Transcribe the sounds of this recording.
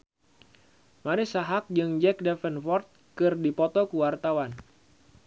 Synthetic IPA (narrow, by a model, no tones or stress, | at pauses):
maɾɪsaɦak̚d͡ʒɨŋd͡ʒɛk̚dɛfənfɔrt̪̚kɨrdipɔt̪ɔkuwart̪awan